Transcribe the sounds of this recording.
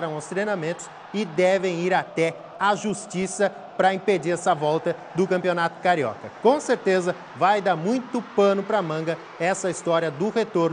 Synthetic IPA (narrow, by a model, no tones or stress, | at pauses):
ɾɐ̃w̃ʊst̪ɾejnamẽnt̪ʊ̥s | ɪd̪ɛvẽj̃iɾat̪ɛ | aʒust͡ʃisɐ | pɾɐĩped͡ʒiɾɛsɐvɔwˠt̪ɐd̪ʊkɐ̃mpionat̪ʊ̥kaɾiɔ̰kɐkõseɾt̪ezɐ | vajd̪aɾmũj̃t̪ʊpɐ̃nʊpɾɐmɐ̃ɡɐ | ɛsɐist̪ɔɾiɐd̪ʊhet̪oɾnʊ